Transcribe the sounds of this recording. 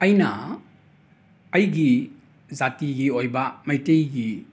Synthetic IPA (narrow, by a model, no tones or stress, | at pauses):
ɐjnɐ | ɐjɡi | zatiɡiojbɐmɐjtejɡi